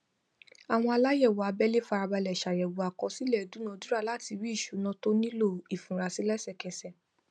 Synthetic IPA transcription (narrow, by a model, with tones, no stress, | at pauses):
a˨w̃ɔ̃˧a˧la˦jɛ˦˨wo˨a˨˧bɛ˦le˦fa˧ɾa˧ba˧lɛ˨ʃa˨jɛ˨wo˨a˨kɔ˧˦si˦lɛ˦˨du˨˦nã˧˦˧du˦ɾa˦˧˨la˦ti˧wi˦i˦˨ʃu˨˦nã˧˦to˦nĩ˦lo˦˨i˨fũ˨ɾa˧si˦lɛ˦sɛ˦˨kɛ˧sɛ˦˨